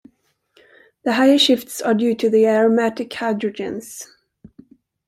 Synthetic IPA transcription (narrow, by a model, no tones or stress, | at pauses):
ðəɦaɪəʃɪftsədjʉːtʰɨðiæɹɔmætɪkhaɪdɹɔd͡ʒɪ̰̃ns